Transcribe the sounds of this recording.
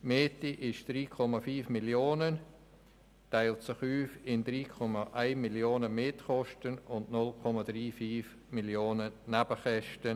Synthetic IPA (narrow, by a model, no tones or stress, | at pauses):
meːtiʔɪʃd̥ɾiːkʰɔmafyːfmiljoːnən | taɪltsɪχyːfɪndɾiːkʰɔmaʔaɪnmiljoːnəmetχɔʃtənʊndnʊlkʰɔmadɾiːfiːf | miljoːnənabəχɛʃtən